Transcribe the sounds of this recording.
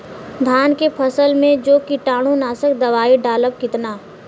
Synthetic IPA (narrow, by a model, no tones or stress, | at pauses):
d̪ʱaːnkepʰəsəlmẽd͡ʒoːkɪʈaːɽ̃õnaːsəkd̪ɐʋaːiɖaːləb̚kɪt̪naː